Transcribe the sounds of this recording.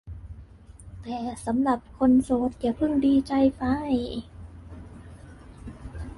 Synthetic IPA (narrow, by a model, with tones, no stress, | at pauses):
t̪ɛː˨˩sa˩˦mla˨˩p̚kʰo˧nsoː˨˩˦t̪̚ka˧˩pʰɯ˥˩ŋdiː˧t͡ɕa˧jpa˧j